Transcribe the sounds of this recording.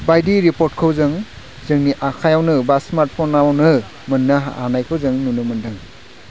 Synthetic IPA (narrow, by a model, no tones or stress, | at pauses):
bajdiɾipoɾt̚kʰɯwzɯŋ | zɯŋniʔakʰajawnɯbasmaɾt̚pʰɔnːawnɯ | mɯnːɯɦaa̰najkʰɯwzɯŋnunɯmɯndɯŋ